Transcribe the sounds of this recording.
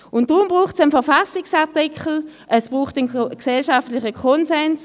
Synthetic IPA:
ʊntd̥ʁʊmbʁuːχtsənfɛʁfasɪksaʁtɪkʰl̩ | ʔɛsb̥ʁuːχtənksɛlʃaftlɪçəkʰɔnsɛns

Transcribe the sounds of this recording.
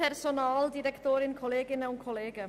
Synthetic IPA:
ɛrsɔnɑːld̪ɪɾɛkʰt̪ʰoːɾɪnkʰɔleːɡɪnəʊŋkʰɔleːɡə

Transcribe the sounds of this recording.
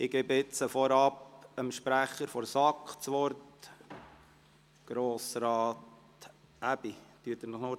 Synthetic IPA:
ɪɡ̥eːbəɪt͡səfɔɾɑpəmʃpɾæχəɾfɔɾsɑkχt͡sʋɔɾt | ɡ̥ɾoːsɾɑːt | ʔæb̥it̪yət̪əɾnɔχno

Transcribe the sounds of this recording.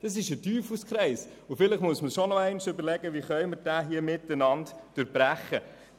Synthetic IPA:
d̥ɑs̬ɪʃətyːfuskχɾɛɪs | ʊfɪlɪχmuəsməʃonɔæɪnɪʃʏbəɾlɛɡəʋiχœʏməɾd̥æːɦiəmɪtːənɑntd̥ʊɾbɾæχːə

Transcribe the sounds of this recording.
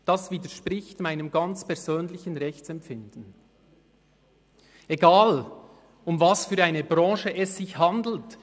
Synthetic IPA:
d̥asv̥iːdəʃpʁɪçtmaɪnəmɡɑnt͡spɛɐz̥øːnlɪçən̩ʁɛçt͡sɛmpfɪnd̥n̩ | eɡaːl | ʊmvasfyːɐʁaɪnəbʁɑ̃ːʃəʔɛsːɪçhɑndl̩t

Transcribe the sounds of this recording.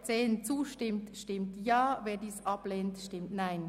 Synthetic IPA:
t͡seːnt͡suːʃtɪmtʃtɪmtjɑːveːdiːsɑbleːntʃtɪmtnaɪn

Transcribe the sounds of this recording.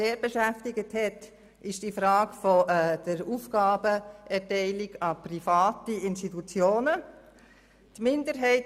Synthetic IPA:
eːɾbeʃæftɪɡəthɛt | ɪʃd̥ifɾɑːɡfɔd̥əɾuːfɡ̥ɑːbəʔɛtɛɪlɪɡɑprifɑːtiɪnstit̪ut͡sjoːnə | tmɪndəɾɦɛɪt

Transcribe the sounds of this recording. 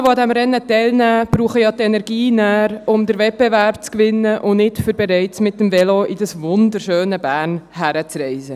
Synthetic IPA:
ʋoɑd̪ɛmɾɛnːətɛɪlnæːb̥ɾuːχəjɑtɛnɛɾɡiːnæːɾʊmd̪əɾvɛt̚b̥evæɾpt͡skʋɪnːəʔʊnnɪtfyɾbɛɾɛɪtmɪtːəmvɛloʔɪdɑsvʊnd̪əɾʃøːnəbæːɾnɦæɾət͡srɛɪsə

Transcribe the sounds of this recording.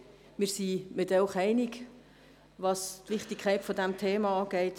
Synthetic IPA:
mɪːɾsimɪtɛʊχɛɪnik | ʋɑstʋɪχtikʰːɛɪtfɔdæmtʰeːmɑɑːɡ̥ɛɪt

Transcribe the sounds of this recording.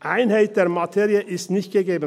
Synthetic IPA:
ʔaɪnhaɪt̚d̥eːɐmatʰeːʁiəʔɪstnɪçt̚ɡ̥əɡeːbən

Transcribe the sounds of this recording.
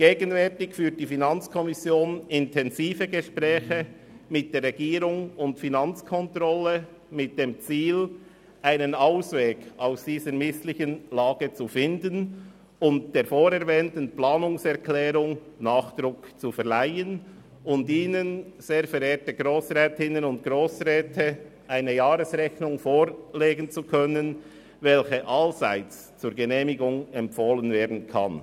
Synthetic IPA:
ɡ̥eːɡənvɛɾtɪçfyːt̚d̥ifinɑnt͡skʰɔmɪsjoːnɪntʰɛnziːfəɡəʃpʁɛːçə | mɪt̚d̥eːɾʁɛɡiːɾʊŋʊntfinɑnt͡skʰɔntɾɔlə | mɪt̚d̥eːmt͡siːl | ʔaɪnənaʊsveːɡaʊsd̥iːzəɾmɪslɪçənlaːɡ̥ət͡sufɪndən | ʊnt̚d̥eːɾfoːɾɛɾvɛːntən̩plɑːnʊŋsɛʁkʰlɛːɾʊŋnaːχd̥ɾʊkt͡sufɛʁlaɪən | ʊntiːnənz̥eːɐfɛɾeːtəɡɾoːsʁɛːtɪnənʊntɡ̥ɾoːsʁɛːtʰəʔaɪnəjaːɾəsʁɛçnʊŋfoːɾleːɡən̩t͡sukʰœnən | vɛlçəʔalza̰ɪt͡s | t͡suːɾɡənɛːmɪɡʊŋɛmpfoːlənveːɐdn̩kʰa̰n

